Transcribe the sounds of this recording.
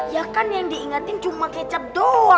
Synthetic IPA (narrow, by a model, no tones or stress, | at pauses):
jakanjaŋdiiŋat̪ɪnt͡ʃumakɛt͡ʃap̚doa